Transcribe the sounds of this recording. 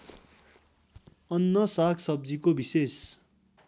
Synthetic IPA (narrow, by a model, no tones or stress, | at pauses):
ʌnːʌsakʰsʌb̚d͡zikobises